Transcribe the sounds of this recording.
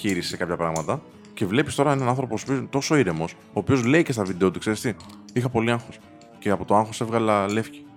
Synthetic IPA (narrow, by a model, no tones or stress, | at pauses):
çiɾisi̥se̞kɐpçɐpɾɐɣmɐt̪ɐ | ce̞vle̞pist̪o̞ɾɐenɐnɐnθɾo̞poposopiot̪o̞so̞iɾe̞mo̞s | oːpio̞zle̞ice̞st̪ɐvid̪eo̞t̪ukseɾst̪i | ixɐpo̞liɐŋxo̞s | ce̞ɐpo̞t̪oɐŋxo̞se̞vɣɐlɐle̞fci̥